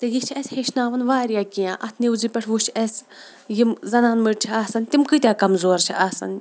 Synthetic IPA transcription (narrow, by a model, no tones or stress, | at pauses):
t̪ejit͡ʃʰɛsʲheʃnaːʋɐnʋaːɾijaːkʲijãːʔɐt̪ʰniuzipʲɐʈʰʋut͡ʃʰɐs | jimzɐnaːnmɨʈt͡ʃʰiaːsɐnʲt̪imkɨt̪ʲaːkɐmzoːɾt͡ʃʰiʔaːsɐ̰n